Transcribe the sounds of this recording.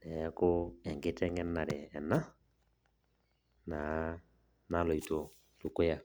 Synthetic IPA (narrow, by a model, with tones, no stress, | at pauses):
nɛ˨˦kʊ˦ɛ˨ŋɡɪ˦tɛ˦ŋɛ˦nːa˨ɾɛ˨ɛ˨na˦ | na˨˦ | na˦lɔ˨i˨to˨ | lu˨kʊ˦ja˨